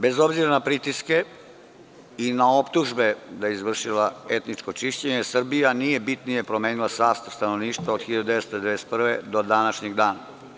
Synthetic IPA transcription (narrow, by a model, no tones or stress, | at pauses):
be̞zo̞bziɾanapɾit̪iske̞ | inao̞pt̪uʒbe̞d̪ajeizʋr̩ʃilaet̪nit͡ʂkot͡ʂiʃt͡ɕeɲesr̩bijanije̞bit̪nijepɾo̞meːnilˠasaːst̪ast̪anoʋniːʃt̪ʋaod̪xiʎad̪ud̪eʋest̪od̪eeeset̪pr̩ʋed̪o̞d̪anaʃɲeɡd̪aːna